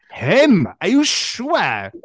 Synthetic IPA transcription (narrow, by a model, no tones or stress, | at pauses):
hɪmə˞juʃu